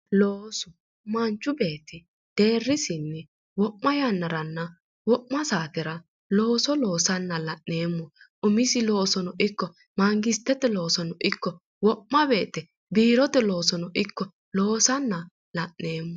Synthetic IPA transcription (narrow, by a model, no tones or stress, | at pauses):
loːsʊ | mɐnt͡ʃːʊbe̞ːt̪ɪ | d̪̥e̞ːrːɪsɪnːɛ | wɔʔmɐjanːɐɾɐnːɐ | wɔʔmɐsaːkɪɾɐ | lo̞ːsɔlo̞ːsɐnːɐlɐʔneːmːɔ | ʔʊmɪsɪlo̞ːsɔnɔʔɪkːɔ | maŋɡɪst̪ːɛt̪ɛlo̞ːsɔnɔʔɪkːɔ | wɔʔmɐbe̞ːt̪ɛ | biːɾɔt̪ɛlo̞ːsɔnɔʔɪkːɔ | lo̞ːsɐnːɐ | lɐʔneːmːɔ